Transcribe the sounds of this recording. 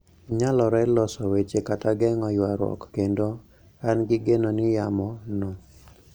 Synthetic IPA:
ɲalɔɾɛlɔsɔwet͡ʃekataɡɛŋɔjwaɾwɔ̰kːendo | anɡɪɡenonɪjamɔno

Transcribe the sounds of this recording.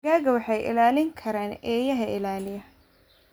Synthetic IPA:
ɣaːɣɐwɑħɑjʔɪ̰laːlɪŋkʰɐɾaːnɛːjɐɦɐʔɪ̰laːlɪjɐ

